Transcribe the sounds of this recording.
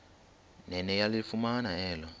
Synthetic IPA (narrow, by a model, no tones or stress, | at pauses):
nɛnɛjalifumanaɛːlɔ